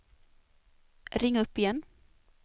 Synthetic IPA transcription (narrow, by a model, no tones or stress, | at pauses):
ɾɪŋːɵpːɪjɛn